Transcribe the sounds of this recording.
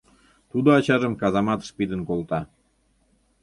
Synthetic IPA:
t̪ud̪oɑt͡ɕɑʒəmkɑzɑmɑt̪ʃpid̪ənkolt̪ɑ

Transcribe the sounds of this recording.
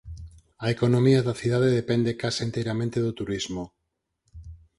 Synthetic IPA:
aekonomiaðaθiðaðeðepend̪ekasent̪ejɾamẽnt̪eðot̪uɾizmo

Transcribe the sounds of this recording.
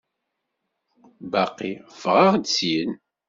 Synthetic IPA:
baqːiv̥ʁaʁd̪sin

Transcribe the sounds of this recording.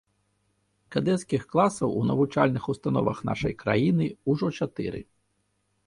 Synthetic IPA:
kad̪ɛt̪skʲixklˠasɐwunɐvut͡ʂalʲnɨxust̪anɔ̰vɐ̰xn̪a̰ʂɐjkɾa̰jinɨuʐɔt͡ʂat̪ɨ̰ɾɨ̰

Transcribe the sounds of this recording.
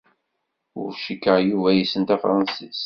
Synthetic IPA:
ʊ̰ɾʃikːəʁjuvæjisənt̪æfɾˤɑnsis

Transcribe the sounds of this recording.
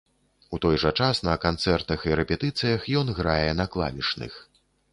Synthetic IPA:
ut̪ɔjʐɐt͡ʂasnɐkant̪sɛrt̪ɐxiɾɛpʲɛt̪ɨt̪sɨjɐxjɔnɣɾajɛnɐklˠa̰vʲit͡ʂnɨ̰x

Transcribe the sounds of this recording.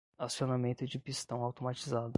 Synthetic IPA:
asionamẽnt̪ʊd͡ʒɪpist̪ɐ̃w̃awt̪omat͡ʃizad̪ʊ

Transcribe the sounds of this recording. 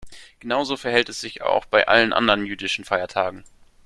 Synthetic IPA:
ɡ̥ənaʊzoːfɛɐɦɛltɛsz̥ɪça̰ʊxb̥aɪʔa̰lənʔa̰ndəʁənjyːdɪʃn̩faɪɐtʰaːɡŋ̩

